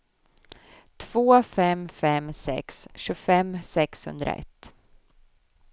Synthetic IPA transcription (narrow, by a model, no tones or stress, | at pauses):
t̪ʰv̥oːfɛmfɛmsɛ̰ksɕɵfɛmːsɛkshɵ̰nd̪ɾa̰ʔɛ̰t̪ː